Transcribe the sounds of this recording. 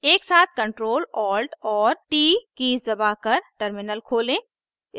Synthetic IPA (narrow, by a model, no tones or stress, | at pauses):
eːksaːt̪̚ʰkɐ̃ɳʈɾoːlɔːlɖɔːɾʈiːkiːzd̪ɐbakɐɾʈəɾmɪnəlkʰoːlẽː | ɪ